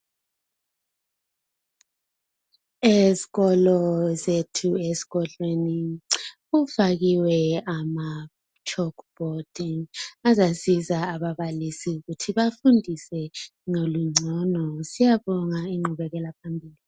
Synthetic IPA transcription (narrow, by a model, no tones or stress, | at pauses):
eziɣɔlɔzetʰuezi̥ɣɔɮweni | ufaɣiwɛama | t͡ʃʰʼɔkʰb̥ʱod̥iŋazasizaːβaβalisiuɣutʰiβafundʱisɛ | ŋoluŋ͡ǀʱɔnɔsijaβɔŋaiŋ͡ǃuβɛɣɛlapʰambʱiːli